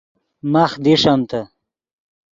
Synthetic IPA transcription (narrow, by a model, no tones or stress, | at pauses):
maχd̪iʂamt̪a